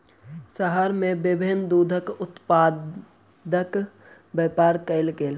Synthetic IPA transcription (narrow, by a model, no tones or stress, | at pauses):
səɦəɾmẽbɪbʱɪnd̪uːd̪ʱəkʊt̪paː | d̪ək | bɛːpaːɾkəɪlkeːl